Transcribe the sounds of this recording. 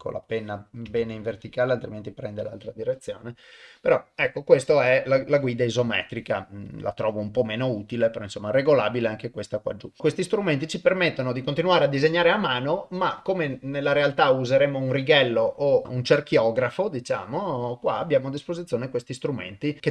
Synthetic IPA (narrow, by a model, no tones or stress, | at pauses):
kʰo̰lʔa̰penːabɛːneiɱvert̪ikaːlealt̪ɾiment̪ipɾɛnd̪ela̰lt̪ɾad̪iɾet̪sːjo̰ːnepeɾɔɛkːokwest̪oɛlalaɡwiːd̪aizomɛ̰ːt̪ɾikala̰t̪ɾɔːvoumpɔmeːnout̪ilepeɾɔinsomːaɛreɡolaːbileaŋkekwest̪akwa̰d͡ʒukwest̪ist̪ɾument̪it͡ʃipermet̪ːonod̪ikont̪inuaːɾead̪izeɲːaːɾeamaːnomakːomenelːaɾealt̪auzeɾeːmounriɡɛlːoʔount͡ʃerkjɔːɡɾafod̪it͡ʃa̰ːmokwa̰ːbjaːmoad̪ːispozit̪sːjoːnekwest̪ist̪ɾumḛnt̪ike